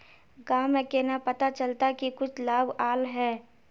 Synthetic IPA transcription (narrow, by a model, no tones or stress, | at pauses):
ɡaːmẽkenapɐt̪at͡ʃəlt̪akikʊt͡ʃʰlaːbaːlɦɛː